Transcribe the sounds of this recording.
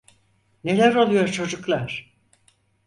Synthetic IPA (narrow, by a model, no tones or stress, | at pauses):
ne̞lʲæɾo̞lˠujo̞ɾt͡ʃʰo̞d͡ʒuklˠaɾ̥